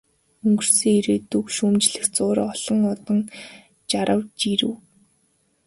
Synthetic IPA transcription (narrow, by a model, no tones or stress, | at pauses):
ɵŋɡɵ̆r̥siːŋiɾeːt̪ukʃumt͡ɕɮɘ̆xt͡sʊːɾɔɮ̥ɞ̆ŋɔt̪ɞ̆ŋ | t͡ɕaɾə̆wt͡ɕiɾɘ̰̆w